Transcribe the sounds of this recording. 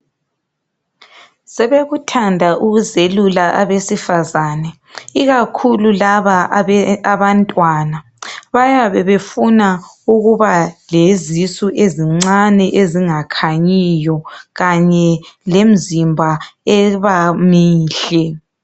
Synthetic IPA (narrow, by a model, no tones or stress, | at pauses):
sɛβeɣutʰandʱaʔuɣuzelulaʔa̰βesifazanɛ | iɣakʰululaβaaβantʼwana | βajaβɛβefuna | uɣuβalezisuʔeziŋ͡ǀanɛʔeziŋakʰaɲijɔɣaɲɛlem̩zimbʱaɛβamiːɬɛ